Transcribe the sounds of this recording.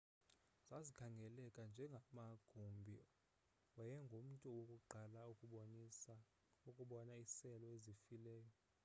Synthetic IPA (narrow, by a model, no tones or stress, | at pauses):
z̥azikʰaŋɡʱɛlɛkʼand͡ʒʱɛŋɡʱamaɡ̥ʱumbʱi | wɛjɛŋɡʱom̩tʼuwokʼuɡ͡ǃʱala | ukʼuɓɔnaisɛlɔezifilɛːjɔ